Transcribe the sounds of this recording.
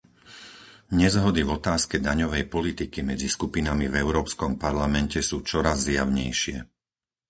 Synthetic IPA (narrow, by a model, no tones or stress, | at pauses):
ɲɛzɦɔd̪ivɔt̪aːskɛd̪aɲɔʋɛjpɔlit̪ikimɛd͡ziskupinamivɛʊɾɔːpskɔmpaɾlamɛncɛsuːt͡ʃɔɾazːjaʊɲɛ̰jʃɪɛ